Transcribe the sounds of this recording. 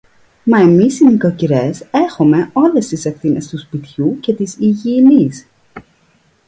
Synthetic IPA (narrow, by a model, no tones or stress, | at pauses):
mɐe̞misinekociɾe̞se̞xome̞o̞le̞st̪isefθine̞st̪uspit̪çuce̞t̪isiʝiːnis